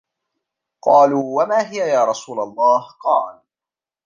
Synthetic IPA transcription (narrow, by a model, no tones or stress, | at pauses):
qɑːluːwamaːɦɪjajaːɾˤɑsuːlalˤːɑːhqɑːʕan